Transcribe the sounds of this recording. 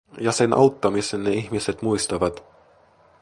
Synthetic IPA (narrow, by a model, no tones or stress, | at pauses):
jɑse̞nʔɑ̰wt̪ːɑmisenːeiçmise̞t̪mujst̪ɑʋɑt̪